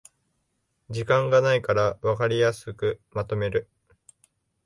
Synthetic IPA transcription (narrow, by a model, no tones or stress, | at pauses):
d͡ʑikãŋɡanaikaɾaβakaɾʲijasɨkɯ̟mat̪o̞me̞ɾɯ̟